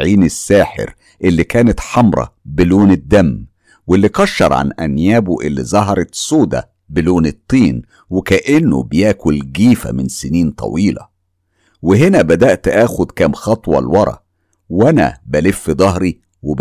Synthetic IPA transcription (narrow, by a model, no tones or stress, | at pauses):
ʕiːnɪsːæːħḛɾ | ʔelːikæːnæt̪ħɑmɾˤɑ̰bɪloːnɪd̪ːæm | welːikɑʃːɑ̰ɾˤʕa̰nʔæ̰njæːboʔɪlːizˤɑɦɑɾˤɑt̪soːd̪æ̰ | bɪloːnɨt̪ˤːiːn | wɪkæʔɪnːʊ̰bɪjæːkʊlɡiːfæ̰mɪnsɪniːnt̪ˤɑ̰wiːlɑ̰ | wɪɦenæbæd̪æʔt̪ʔæːxʊd̪kæːmxɑt̪ˤwɑ̰lwɑɾˤɑ̰ | wænæ̰bælɪfːid̪ˤɑɦɾi | wɪb